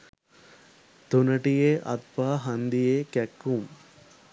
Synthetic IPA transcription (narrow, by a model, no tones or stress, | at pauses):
t̪unɐʈijeʔɐ̰t̪paːɦɐnd̪ijeːkɛkːum